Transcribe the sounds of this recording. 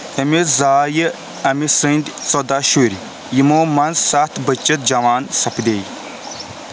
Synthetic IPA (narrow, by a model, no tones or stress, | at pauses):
ɐmizaːjə | ɐmisɨnd̪ʲt͡sod̪aʃuɾʲ | jimoːmɐnzsat̪bət͡ʃːɐt̪̚d͡ʒɐʋaːnsɐpd̪eːj